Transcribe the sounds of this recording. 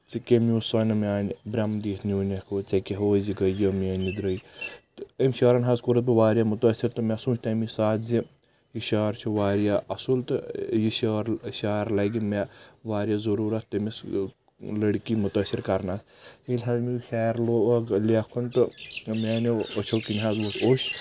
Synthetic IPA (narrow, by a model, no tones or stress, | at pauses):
t͡sikʲemʲuːsɐnɐmʲaːnbɾʲɐmd̪iːt̪ʰnuːnʲekʰoːt͡sɐkeɦoːziɡɐjoːmʲeːnid̪ɾəj̪ | ɐmʲʃaːɾɐnɦɐzkuɾɐt̪̚biʋaːɾjamʊt̪əːsiɾt̪ɨmʲasũːt͡ʃʰʲt̪ɐmisaːt̪zi | jiʃaːɾt͡ʃʰuʋaːɾjaːʔɐsult̪ɨjiʃaːɾʃaːɾlɐɡimaʋaːɾjaːzɐɾuːɾɐt̪ːɐmis | lɐɽkimut̪ɐːsiɾkɐɾnaːt̪ | elʲɦaːzmixʲɛːɾloːɡlekʰunt̪ɨmeːniot͡ʃʰɐwkinʲɦaːzʋot̪ʰoʃ